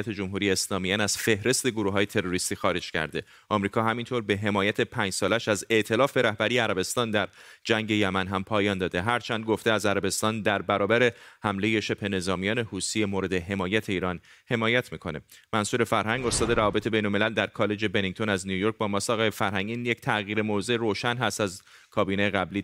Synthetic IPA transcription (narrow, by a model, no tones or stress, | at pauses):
æt̪ʰe̞d͡ʒomɦuɾijeːslɒːmiænæz̥fe̞hɾe̞st̪e̞ɡoɾuɦɒːjet̪ʰe̞ɾo̞ɾist̪iːxɒːɾe̞d͡ʒcʰæ̰ɾd̪e̞ | ʔɒmɾiːkʰɒːɦæmint̪ʰo̞ɾbeɦe̞mɒːjæt̪ʰe̞pʰæːɲd͡ʒsɒːlæʃæze̞ʔt̪ʰe̞lɒːfbe̞ɾæhbæɾijeæɾæbest̪ɒːnd̪æɾd͡ʒæŋɟe̞jæmænɦæmpʰɒːjɒːnd̪ɒːd̪e̞ɦæɾt͡ʃʰænd̪̚ɡo̞ft̪eæzæɾæbe̞st̪ɒːnd̪æɾbæɾɒːbæɾe̞hæmle̞je̞ʃe̞b̥he̞ne̞zɒːmijɒːne̞huːsiemoɾe̞d̪e̞ɦe̞mɒːjæt̪ʰe̞iːɾɒːn | he̞mɒːjæt̪ʰmiːkʰo̞̰nemænsuːɾefæɾɦæŋɡo̞st̪ɒːd̪e̞ɾævɒːbe̞t̪e̞be̞jnolme̞læld̪æɾkʰɒːle̞d͡ʒe̞be̞niŋɡ̚t̪o̞næznijujoɾk̚bɒːmɒsɒɣefæɾɦæŋɟinject̪ʰæɣiːɾemozeɾoːʃænɦæst̪æz | kʰɒːbiːneeɣæbliː